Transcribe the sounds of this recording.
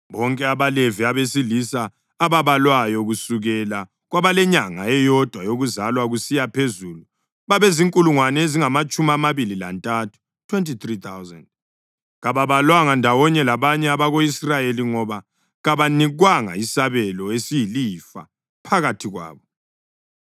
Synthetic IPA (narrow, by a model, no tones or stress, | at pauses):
βɔŋkʼɛaβaleviaβesilisaː | βaβalwajɔɣusuɣɛla | ɣwaβalɛɲaŋa̰ɛjɔd̥ʱwajoɣuzalwaɣusijapʰezulu | βaβeziŋkʼuluŋwanɛeziŋamat͡ʃʼumiamaβilila̰ntʼatʰu̥ | tʰwentʰʼit̪rit̪ʰawzɛ̰nd̚ | ɣaβaβalwaŋandʱawɔɲɛlaβaɲɛaβaɣoisrajeliŋɔβa | ɣaβaniɣwaŋa̰isaβɛlɔesijilifa̰ | pʰaɣatʰiɣwa̰ːβɔ